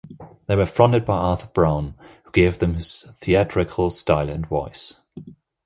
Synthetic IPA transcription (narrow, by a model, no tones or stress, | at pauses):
ðeɪwəfɹɒ̃ndɪd̚baɪɑˑθəb̥ɹãʊ̃nhuɡeɪvðə̃mɪz̥θiatɹ̥ɪkʰəlˠstaɪlˠə̃nvɔ̰ɪs